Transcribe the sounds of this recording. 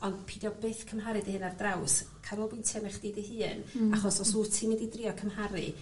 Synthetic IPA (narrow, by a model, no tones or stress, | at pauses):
ɔnd̥pʰidjɔbeːθkʰəmɦaɾɨdihɨnardrawskʰaɾɔlˠbɪntʰjɛmɛχd̥iːdihɨːnaχɔsɔsutʰimɪdidriɔkʰəmhaɾɨ̰